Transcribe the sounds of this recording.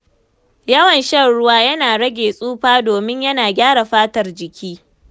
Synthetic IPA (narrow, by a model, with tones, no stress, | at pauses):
jɐ˦wɐ˨nʃɐ˦nɽʊ˦waː˦jɐ˦naː˨ɽɐ˦ɡʲeː˨sʼuː˦ɸaː˦doː˨mɪ˦ɲjɐ˦naː˨ɡʲaː˦ɽa˨ɸaː˦tɐ˨rd͡ʒɪ˨kʲiː˦